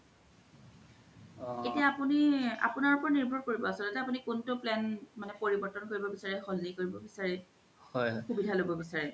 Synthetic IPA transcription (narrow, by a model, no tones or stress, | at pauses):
etiaapunia̰punaɹupɔɹaniɹbʱɔɹkoɹibɔasɔlotɛapunikuntʊplɛnmanɛpoɹibɔɹtɔnkoɹibɔbisaɹɛxɔlnikoɹibɔbisaɹɛ | hɔjɔxubidʱalobɔbisaɹɛ